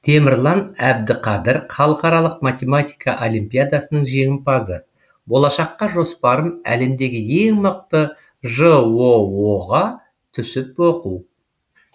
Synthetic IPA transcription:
t̪ʰe̞mɪɾlˠɑnæb̚d̪ɪqʰɑd̪ɪɾχʰɑlˠəqɑɾɑlˠəq̚mat̪ʲe̞mat̪ʲijkɑʔolʲijmpʲijad̪asənəɴʒe̞ŋʲɪmpʰɑzə | bo̞lˠɑʃɑqːɑʒo̞spɑɾəmæ̰le̞md̪e̞ɡʲɪe̞ŋməq̚t̪ə | ʒəwo̞woʁɑ | t̪ʰʏsɪpwo̞quw

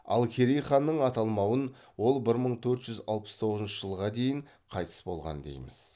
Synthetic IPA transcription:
ɑ̰lˠkʲʰeɾijχɑnːəɴɑt̪ɑlˠmɑwən | wo̞lˠbɪɾməɴt̪ʰɵɾt̪ʒ̥ʏzɑlˠpə̥st̪ʰo̞ʁəzənʃəʒəlˠʁɑd̪e̞jɪɴ | qʰɑjt̪ə̥sbo̞̰lˠʁɑ̰nd̪ḛjmɪz̥

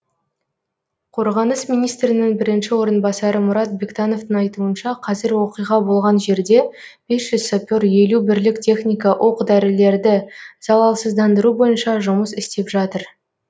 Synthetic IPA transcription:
qʰo̞ɾʁɑnəsmijnijst̪ɾɪnɪŋbɪɾɪnʃɪwo̞ɾənbɑsɑɾəmʊɾɑt̪̚bʲekt̪ɑno̞vt̪əŋɑjt̪uənʃɑqʰɑzɪɾwo̞qijʁɑbo̞lˠʁɑnʒe̞ɾd̪e̞ | b̥e̞sʒ̥ʏzsopʲoɾje̞lubɪɾlɪktʲʰe̞χnʲijkɑʔo̞qd̪æɾɪle̞ɾd̪ɪz̥ɑlˠɑlˠsəzd̪ɑnd̪əɾubo̞jənʃɑʒʊməsɪst̪e̞pʒɑt̪əɾ

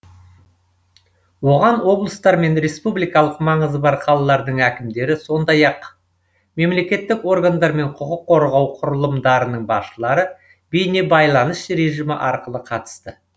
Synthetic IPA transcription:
wo̞ʁɑnwo̞blˠəst̪ɑɾme̞nɾe̞spublˠijkɑlˠəqmɑɴəzəbɑɾqʰɑlˠɑlˠɑɾd̪əɴækʲɪmd̪e̞ɾɪso̞nd̪ɑjɑq | me̞mle̞kʲe̞t̪ːɪko̞rɡand̪ɑɾme̞ɴqʰʊqʊqʰːo̞ɾʁɑwqʰʊɾəlˠəmd̪ɑɾənəɴbɑʃəlˠɑɾə | bejne̞bɑjlˠɑnəsɾe̞ʒijmə̰ʔɑɾqəlˠəqʰɑt̪ə̥st̪ə

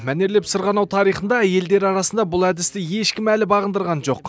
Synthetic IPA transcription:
mæne̞ɾle̞psəɾʁɑnɑwt̪ʰɑɾijχənd̪ɑæje̞ld̪e̞ɾɑɾɑsənd̪ɑbʊlˠæd̪ɪst̪ɪje̞ʃkʲɪmælɪbɑʁənd̪əɾʁɑnʒo̞q

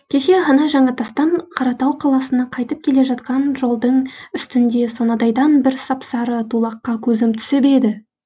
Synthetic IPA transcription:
kʲʰe̞ʃe̞ɦɑnɑʒɑɴɑt̪ʰɑst̪ɑɴqʰɑɾɑt̪ɑwqʰɑlˠɑsənɑqʰɑjt̪əp̚kʲʰe̞le̞ʒɑt̪̚qɑnʒo̞lˠd̪əɴʏst̪ɪnd̪e̞sonɑd̪ɑjd̪ɑnbɪɾsɑpsɑɾət̪ʰulˠɑqːɑkʲʰɵzɪmt̪ʰʏ̥sebed̪ɪ

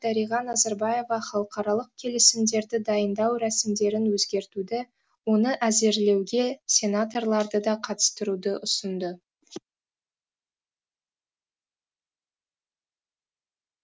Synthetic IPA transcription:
d̪æɾijʁɑnɑzaɾbɑje̞vɑχɑlˠəqɑɾɑlˠəq̚kʲʰe̞lesɪmd̪e̞ɾd̪ɪd̪ɑjənd̪ɑwɾæsɪmd̪e̞ɾɪnwɵzɡʲe̞ɾt̪ud̪ɪ | wo̞nəʔæze̞ɾle̞wɡʲe̞sʲe̞nat̪o̞rlˠɑɾd̪əd̪ɑqʰɑt̪ə̥st̪əɾud̪əʔʊsənd̪ə

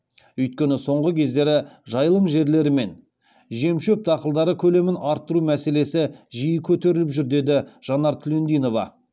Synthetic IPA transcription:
ʏjt̪̚kʲe̞nɪso̞ɴʁəkʲʰe̞zd̪e̞ɾɪʒɑjəlˠəmʒe̞ɾle̞ɾɪme̞n | ʒe̞mʃøp̚d̪ɑqəlˠd̪ɑɾəkʲʰɵle̞mɪnɑɾt̪ːəɾumæse̞le̞sɪʒijɪkʲʰɵt̪e̞ɾɪlɪpʒʏɾd̪e̞d̪ɪʒ̥ɑnɑɾt̪ʰɪlend̪ijno̞vɑ̰

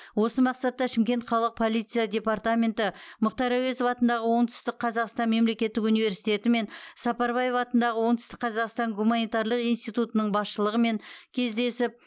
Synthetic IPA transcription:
wo̞səmɑqsɑt̪ːɑʃɪmkʲe̞nt̪χɑlˠəq̚pʰo̞lˠijt̪sɨjad̪ʲe̞part̪amʲe̞nt̪ɪmʊqt̪ɑɾæwezovɑt̪ənd̪ɑʁəwo̞ɴt̪ʏ̥st̪ɪk̚qʰɑzɑqst̪ɑnme̞mle̞kʲe̞t̪ːɪkunivʲe̞ɾsijt̪e̞t̪ɪme̞nsɑpɑɾbɑje̞vɑt̪ənd̪ɑʁəwo̞ɴt̪ʏ̥st̪ɪk̚qʰɑzɑqst̪ɑŋɡumanijt̪ɑɾlˠəqijnst̪ijt̪ut̪ənəɴbɑsʃəlˠəʁəme̞ŋkʲʰe̞zd̪e̞sɪp̚

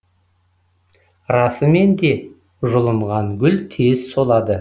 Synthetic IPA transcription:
ɾɑsəme̞nd̪e̞ | ʒʊlˠəɴʁɑŋɡʲʏlt̪ʰe̞zso̞lˠɑd̪ə

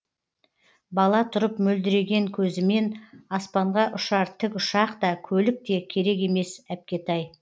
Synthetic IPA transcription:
bɑlˠɑt̪ʰʊɾəpmɵld̪ɪɾe̞ɡʲe̞ŋkʲʰɵzɪme̞nɑspɑɴʁɑʔʊʃɑɾt̪ʰɪkʲʊʃɑqt̪ɑkʲʰɵlɪk̚t̪e̞kʲʰe̞ɾe̞ke̞me̞sæp̚kʲe̞t̪ʰɑj

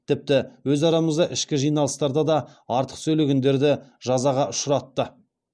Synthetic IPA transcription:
t̪ʰɪp̚t̪ɪwɵzɑɾɑməzd̪ɑʔɪʃkʲɪʒijnɑlˠəst̪ɑɾd̪ɑd̪ɑɑɾt̪ə̥qsɵleɡʲɪnd̪e̞ɾd̪ɪʒɑzɑʁɑʊʃɾɑt̪ːə

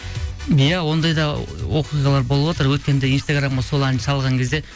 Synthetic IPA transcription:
jæwo̞nd̪ɑjd̪ɑwoquʁɑlˠɑɾbo̞lˠəbwot̪əɾwɵt̪kʲe̞nd̪einst̪aɡɾamʁɑso̞lˠænʃɑlˠʁɑŋkʲʰe̞zd̪e̞

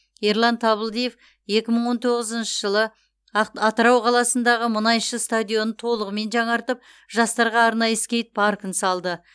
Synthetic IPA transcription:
eɾlˠɑnt̪ʰɑβəlˠd̪ije̞f | je̞kʲɪməɴwo̞nt̪ʰo̞ʁəzənʃəʒəlˠə | ɑt̪əɾɑwqʰɑlˠɑsənd̪ɑʁəmənɑjʃəst̪ad̪ʲijo̞nət̪ʰo̞lˠəʁəme̞nʒɑɴɑɾt̪əp̚ | ʒɑst̪ɑɾʁɑːɾnɑjəɪskʲe̞jt̪̚pʰɑɾkənsɑlˠd̪ə

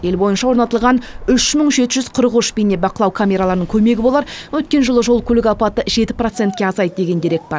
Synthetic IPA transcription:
je̞lbo̞jənʃɑwo̞ɾnɑt̪əlˠʁɑnʏʃməɴʒe̞t̪ɪʒʏz̥qʰəɾəʁʊʃbijne̞bɑqəlˠɑwkʰamʲe̞ɾalˠɑɾnəŋkʲʰɵme̞ɡʲɪbo̞lˠɑɾwɵt̪̚kʲe̞nʒəlˠəʒo̞lˠkʲʰɵlɪkʲɑpɑt̪əʒe̞t̪ɪ̥pro̞t̪se̞nt̪kʲe̞ɑzɑjt̪d̪e̞ɡʲe̞nd̪eɾe̞kt̪̚bɑɾ

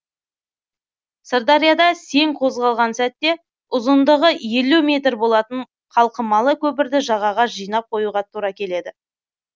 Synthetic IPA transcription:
səɾd̪ɑɾjad̪ɑse̞ŋqʰo̞zʁɑlˠʁɑnsæt̪ːe̞ | ʊzənd̪əʁəje̞lumʲe̞t̪ɾbo̞lˠɑt̪əɴ | qʰɑlˠqəmɑlˠəkʲʰɵp̬ɪɾd̪ɪʒɑʁɑʁɑʒijnɑp̚qʰo̞juʁɑt̪ʰuɾɑkʲʰe̞le̞d̪ɪ

